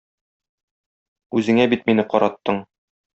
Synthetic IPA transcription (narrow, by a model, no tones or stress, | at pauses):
ʉzɘ̆ŋæbit̪minɘqɒɾɑt̪ːɤɴ